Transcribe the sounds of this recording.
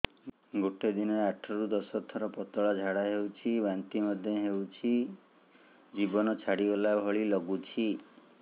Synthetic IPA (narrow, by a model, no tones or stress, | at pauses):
ɡoʈed̪inɔɾeaʈʰɔɾud̪ɔsɔt̪ʰɔɾɔpɔt̪ɔɭad͡ʒʱaɽaɦewt͡ʃʰibant̪imɔd̪ʱjɔɦewt͡ʃʰi | d͡ʒibɔnɔt͡ʃʰaɽiɔlabʱɔɭilɔɡut͡ʃʰi